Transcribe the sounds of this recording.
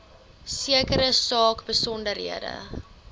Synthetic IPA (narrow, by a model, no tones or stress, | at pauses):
siəkəɾəsɑːkbəsɔndəɾɦḭədə̰